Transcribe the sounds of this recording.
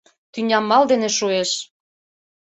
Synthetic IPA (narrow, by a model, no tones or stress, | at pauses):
t̪ynʲɑmːɑld̪eneʃueʃ